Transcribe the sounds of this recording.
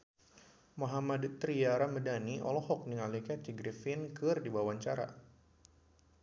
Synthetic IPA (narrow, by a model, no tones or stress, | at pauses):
moɦamadt̪ɾiaɾamədaniɔ̰lɔɦɔk̚niŋalikat͡ʃiɡɾifɪnkɨrdibawaɲt͡ʃaɾa̰